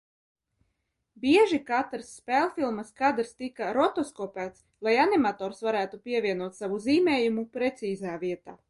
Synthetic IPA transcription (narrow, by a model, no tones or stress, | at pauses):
bʲiɛʒikat̪ɾsːpʲɛlˠfilˠmaskad̪ɾst̪ikaɾɔt̪ɔskɔpæːt̪s | lˠajanimat̪ɔːɾsvaɾæːt̪upʲiɛvʲiɛnuɔt̪savuziːmɛːjumupɾɛt̪siːzaːviɛt̪aː